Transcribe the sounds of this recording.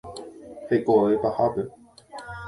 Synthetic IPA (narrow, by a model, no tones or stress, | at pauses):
fekoepahape